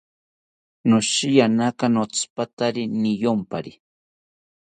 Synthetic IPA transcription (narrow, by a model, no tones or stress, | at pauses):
noʃijanakanot͡spat̪aɾɪnɪjompa̰ɾɪ